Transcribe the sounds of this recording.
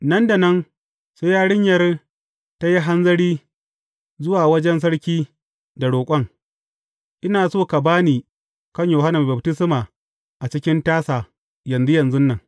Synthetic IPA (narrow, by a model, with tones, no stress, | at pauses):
nɐ˦nda˨nɐ˦n | seː˦jaː˦ɽɪ˦ɲjɐ˦r | ta˦ji˦ɦa˦nzɐ˦ɽiː˦ | zʊ˦waː˨wɐ˦d͡ʒɛ˦ns̬ɐ˦ɽkʲiː˦ | da˨ɽoː˨kʷʼɐ˦ŋ | ʔɪ˦naː˨soː˦ka˨baː˦niː˨ | kɐ˦ɲjo˨ɦa˦na˨bɐ˨btɪ˦sɪ˦maː˨ | ʔa˨t͡ʃɪ˦kʲɪ˦ntaː˦saː˨ | jɐ˨nzʊ˦jɐ˨nzʊ˦nːɐ˨ŋ